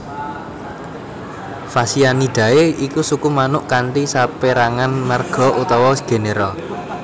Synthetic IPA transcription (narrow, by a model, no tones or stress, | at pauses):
fasianiɖ̪̥ä̤eikusukumanʊʔkaɳʈisapeɾaŋanmarɡ̥ɔ̤ʔut̪ɔwɔsɡ̥e̤neɾɔ